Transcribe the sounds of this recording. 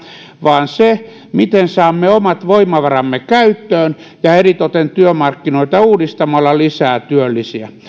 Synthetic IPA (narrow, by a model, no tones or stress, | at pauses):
ʋɑːnse | mit̪ensɑːmːeomɑt̪ʋoimɑʋɑrɑmːekæyt̪ːøːn | jɑerit̪ot̪ent̪yømɑrkːinoit̪ɑuːdist̪ɑmɑlːɑlisæːt̪yølːisiæ